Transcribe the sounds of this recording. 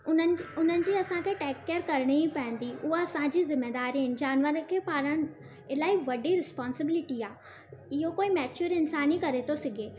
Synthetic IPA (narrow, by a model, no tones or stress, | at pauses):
ʊʊn̤ənɪ̆d͡ʑiːɐsãkʰeʈɛːkːəɾkɐɾɽ̃ipɐ̃ə̃n̆d̪iʊɦoɐsãd͡ʑiːzɪmːed̪aːɾijən̆d͡ʑaːnʋəɾkʰeːpaːɾəɽ̃ | ɪlaːiʋɐɖiɾɪspaːnsɪbɪlɪʈiaː | ɪɦokoːimɛːt͡ɕʊɾɪnsaːnikɐɾet̪ʰosɪɡʱeː